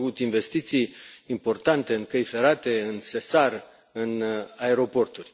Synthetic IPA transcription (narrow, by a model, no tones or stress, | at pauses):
vut̪iɱve̞st̪it̪sijːmpo̞rt̪ant̪e̞ɨŋkəjfe̞ɾat̪e̞ɨnsesar | ɨnae̞ɾo̞po̞rt̪urʲ